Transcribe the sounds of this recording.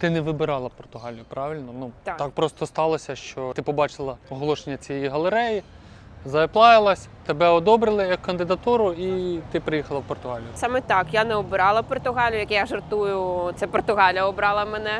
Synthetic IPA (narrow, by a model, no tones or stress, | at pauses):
t̪ɪnɛʋɪbɪɾɑlˠɐpɔrt̪ʊɦɑlʲjʊpɾɑʋɪlʲnɔnut̪ɑk̚pɾɔst̪ɔst̪ɑlˠɔsʲɐʃt͡ʃɔt̪ɪpɔbɑt͡ʃɪlˠɐɔɦɔlˠɔʃenʲːɐt͡sʲijɛjiɦɐlˠeɾɛji | zɐeplˠɑjɪlˠɐsʲt̪ebɛɔd̪ɔbɾɪlˠɪjɐkːɐnd̪ɪd̪ɐt̪uɾʊit̪ɪpɾɪjixɐlˠɐwpɔrt̪ʊɦɑlʲjʊsɑmɛt̪ɑkjanɛɔbɪɾɑlˠɐpɔrt̪ʊɦɑlʲjʊjɐkʲɛjaʒɐrt̪ujʊt̪sɛpɔrt̪ʊɦɑlʲjɐɔbɾɑlˠɐmenɛ